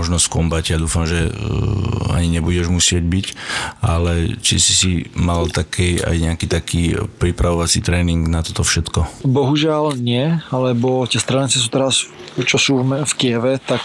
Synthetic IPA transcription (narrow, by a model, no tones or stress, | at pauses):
ɔʒnɔskɔmbacjad̪uːfamʒɛ | a̰ɲiɲɛbuɟɛʒmusɪɛɟbicalɛt͡ʃḭsi̥simalt̪akʰɛa̰jɲɛakiːt̪akʰiːpɾipɾaʋɔʋat͡siːt̪ɾɛːniŋɡnat̪ɔt̪ɔfʃɛt̪kɔbɔɦuʒɪalɲɪɛalɛbɔcɪɛst̪ɾaːnit͡sis̬uːt̪ɛɾas | t͡ʃɔsuːmɛfkɪɛʋɛt̪ak